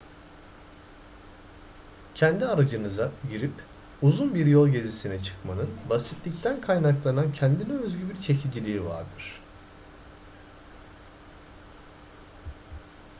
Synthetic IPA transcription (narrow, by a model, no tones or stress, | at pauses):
cʰɛnd̪iaɾad͡ʒɯnɯzaɟiɾip | uzunbiɾjolˠɟe̞zisinɛt͡ʃʰɯ̥kmanɯnbasit̪lʲict̪ʰænkʰajnaklˠanancʰɛnd̪inɛøzɟybiɾt͡ʃʰe̞cʰid͡ʒilʲiːiva̰ɾd̪ɯɾ̝̥